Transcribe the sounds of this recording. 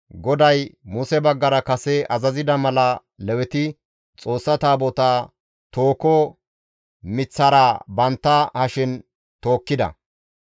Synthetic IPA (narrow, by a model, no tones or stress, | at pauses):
ɡɔd̪ɐjmʊsɛbɐɡːɐɾɐkɐsɛʔɐzɐzɪd̪ɐmɐlɐ | lɛwɛt̪ɪ | t͡sʼo̞ːsːɐt̪aːbɔt̪aː | t̪oːkɔ | mɪt͡sːɐɾaːbɐnt̪ːɐhɐʃɪn | t̪o̞ːkːɪd̪ɐ̰